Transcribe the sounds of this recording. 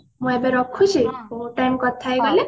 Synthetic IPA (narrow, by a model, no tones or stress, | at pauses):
mũebeɾɔkʰut͡ʃʰiuʈankɔt̪ʰajɡɔle